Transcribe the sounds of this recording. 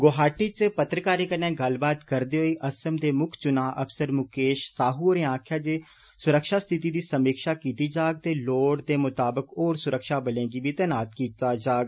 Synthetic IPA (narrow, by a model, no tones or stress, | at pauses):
ɡoːɦaːʈiːt͡ʃpət̪ɾəkaːɾiːkənẽːɡəlbaːt̪kəɾd̪eːɦoːiːʔəsəmd̪eːmʊkʰt͡ʃʊnaːʔəpsəɾmʊkeːʃsaːɦuːoːɾẽːãːkʰjaːd͡ʒeː | sʊɾəkʃaːst̪ʰɪt̪iːd̪iːsəmiːkʃaːkiːt̪iːd͡ʒaːɡ̚t̪eːloːɽd̪eːmʊt̪aːbəkoːɾsʊɾəkʃaːbəlẽːɡiːbiːt̪ɛːnaːt̪kiːt̪aːd͡ʒaːɡ